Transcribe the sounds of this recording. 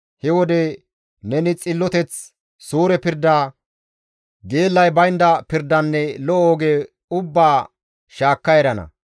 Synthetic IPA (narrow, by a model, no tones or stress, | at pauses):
hɛwɔd̪ɛ | nɛnɪt͡sʼɪlːɔt̪ɛt͡s | suːɾɛpɪɾd̪ːaː | ɡe̞ːlːɐjbɐjnd̪ɐpɪɾd̪ɐnːɛlɔʔoːɡeː | ʊbːaː | ʃaːkːɐjɛɾɐnɐ̰